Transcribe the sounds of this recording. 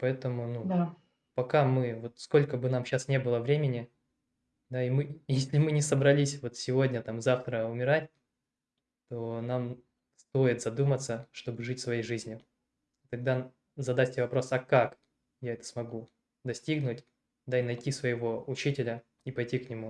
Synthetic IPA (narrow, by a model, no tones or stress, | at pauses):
pɐɛt̪əmʊnud̪a | pɐkamɨvo̞t̪sko̞lʲkəbɨnamɕasnʲe̞bɨlˠəvɾʲemʲɪnʲɪ | d̪aimɨjesʲlʲɪmɨnʲɪsəbɾɐlʲisʲvo̞t̪sʲɪvo̞dʲnʲət̪amzaft̪ɾəʊmʲɪɾatʲ | t̪o̞nam | st̪o̞jɪt̪zɐd̪umət̪səʂt̪o̞bɨʐɨtʲsvɐjejʐɨzʲnʲʊ | it̪ɐɡ̚d̪a | zɐd̪afʲtʲɪvɐpɾo̞sɐkak | jaɛt̪ə̥smɐɡu | d̪ɐsʲtʲiɡnʊtʲ | d̪aɪnɐjtʲisvəjɪvo̞ʊt͡ɕitʲɪlʲə | ipɐjtʲiknʲɪmu